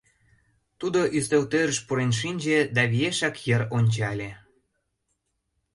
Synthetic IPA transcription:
t̪ud̪oʔyst̪ølt̪øɾə̆ʃpuɾenʃ̬inʲd͡ʑĕd̪ɑβieʃɑkjə̆ɾonʲt͡ɕɑlʲe

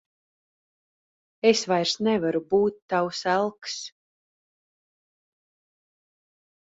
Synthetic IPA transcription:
esvajɾsnɛvaɾubuːt̪ːawsælˠks

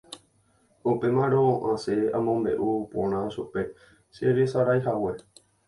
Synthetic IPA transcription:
upe̞mãɾ̃oʔãseamõmbe̞̰ʔupõ̰ɾ̃ãʃupe̞ | seɾesaɾajɦawe̞

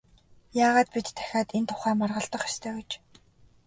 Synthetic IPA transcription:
jaːʁaːt̪̚pit̪ʰːæ̥xʲaːt̪ent̪ʰʊ̥χæːmarʁə̆ɬt̪ə̆χjɔ̥st̪ʰœːet͡ɕ

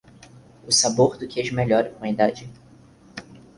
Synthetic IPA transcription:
ʊsaboɾd̪ʊkɪeʒmeʎɔɾɪkõɐid̪ad͡ʒɪ

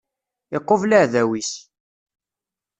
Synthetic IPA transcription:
ɪqːovlaʕðæwis

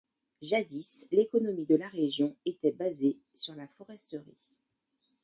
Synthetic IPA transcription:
ʒad̪islekɔnɔmid̪əlaʁeʒjɔ̃et̪ɛbaze | syʁlafɔʁɛst̪əʁi

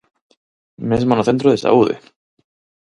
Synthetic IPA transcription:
mesmonoθent̪ɾoðesa̰uðḛ

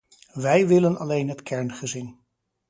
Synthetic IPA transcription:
ʋɛjʋɪlənɑlejnɦətkʰɛɹnχəzɪn

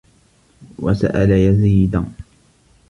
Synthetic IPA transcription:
wa̰sa̰ʔalajaziːd̪an

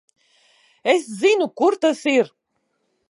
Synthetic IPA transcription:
eszinukuɾt̪asiɾ

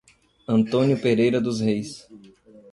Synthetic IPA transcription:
ɐ̃nt̪õnjʊpeɾejɾɐd̪ʊshejs

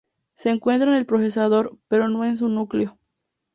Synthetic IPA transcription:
se̞ːŋkwe̞nt̪ɾaoene̞lpɾose̞saðo̞ɾpe̞ɾo̞no̞e̞ns̬unukleo̞

